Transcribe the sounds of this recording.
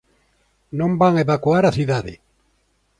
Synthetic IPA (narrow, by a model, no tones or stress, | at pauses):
nõmbaŋeβakuaɾaθiðaðɪ̰